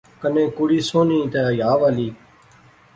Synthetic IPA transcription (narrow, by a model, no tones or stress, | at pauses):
kənẽːkʊɽiːsoːnĩːt̪eːjaːʋaːliː